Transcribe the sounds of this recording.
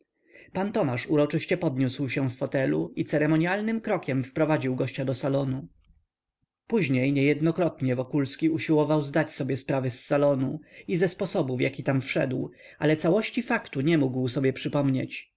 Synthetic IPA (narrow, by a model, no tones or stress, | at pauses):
pant̪ɔmaʂuɾɔt͡ʂɘɕt͡ɕɛpɔd̪ɲuswɕɛ̃sfɔt̪ɛlṵit̪sɛɾɛmɔɲialnɘmkɾɔkʲɛmfpɾɔvad͡ʑiwɡɔɕt͡ɕad̪ɔsalɔnu | puʑɲejɲɛjɛd̪nɔkɾɔt̪ɲɛvɔkulskʲiuɕiwɔvawzd̪at͡ɕsɔbʲjɛspɾavɘsːalɔnuizɛspɔsɔbufjakʲit̪amfʂɛ̰d̪wʔa̰lɛt̪sawɔɕt͡ɕifakt̪uɲɛmuɡwsɔbʲjɛpʂɘpɔmɲḛt͡ɕ